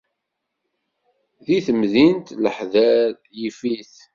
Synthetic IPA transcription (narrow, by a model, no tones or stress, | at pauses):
ðiθəmðint̪ləħðæɾ | jifiθ